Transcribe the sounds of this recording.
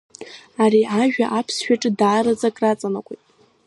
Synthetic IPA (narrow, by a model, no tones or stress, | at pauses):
aɾiʔaʒᶣaʔapʰsʃᶣaʈ͡ʂʼɨdaːɾad͡zakʼrat͡sʼanakʷʼetʼ